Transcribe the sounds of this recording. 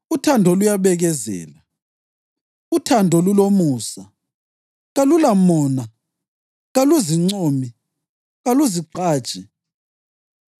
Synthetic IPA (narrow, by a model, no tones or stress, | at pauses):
utʰandʱɔlujaβɛɣɛzɛ̰ːla | utʰandʱɔlulomuːsa | ɣalulamɔːna | ɣaluziŋ͡ǀoːmi | ɣaluziǃaːt͡ʃʼi